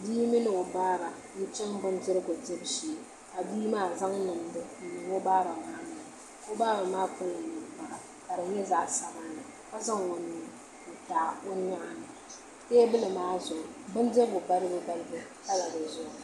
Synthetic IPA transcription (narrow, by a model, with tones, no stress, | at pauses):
bi˦mi˦nɨ˨o˨baː˦ba˨ | nɪ˦t͡ʃɛ˦ŋbɨ˦ndɨ˦ɾɨ˦ɡo˨tɨ˦bʃiː˨ | a˨biː˦maː˦˨za˦ŋnɨ˨m˨dɨ˦n̩˨nɨ˨wo˦baː˦ba˨maː˦na˨ | o˦baː˦ba˨maː˦pɨ˦lɨ˨nɨ˨m˨pa˨ɾa˨ | ka˨ɾɨ˨ɲɛ˦za˨ʔsa˨ba˦nɨ˨ | ka˦za˦ŋwo˨nʊ˦ | o˨taː˨o˦ɲ˦a˦ʔa˨nɨ˨ | teː˦bɨ˦lɨ˨maː˦zʊ˨ʔʊ˨bɨ˦ndɨ˦ɾɨ˦ɡʊ˨ba˦ɾɨ˦bɨ˦ɡa˦lbɨ˦ | ta˦la˨dɨ˨zʊ˦ʔʊ˨